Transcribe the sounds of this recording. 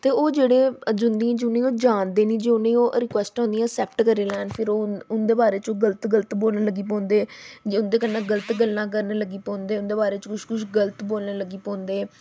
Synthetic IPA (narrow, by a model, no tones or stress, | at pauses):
t̪eːoːd͡ʒeːɽẽːd͡ʒʊnd̪iãːd͡ʒʊnẽːoːd͡ʒaːnd̪eːnĩːd͡ʒiːʊnẽːoːʔɾɪkwɛːsʈɔ̃ːnd̪ijãːsɛːpʈkəɾeːlɛːnpʰɪɾoːʊnd̪eːbaːɾeːt͡ʃoːɡələt̪ɡələt̪boːlnːləɡiːp̬ɔ̃ːnd̪eːd͡ʒiʊnd̪eːkənːãːɡələt̪ɡəlːãːk̬əɾneləɡiːpɔ̃ːnd̪eːʊnd̪eːbaːɾeːt͡ʃkʊʃkʊʃɡələt̪boːlneːləɡiːpɔ̃ːnd̪eː